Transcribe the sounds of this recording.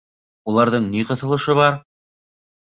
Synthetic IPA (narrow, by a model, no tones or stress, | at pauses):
ulˠɑɾðɤɴniqɤ̆θɤ̆lˠɤ̆ʃɤβɑɾ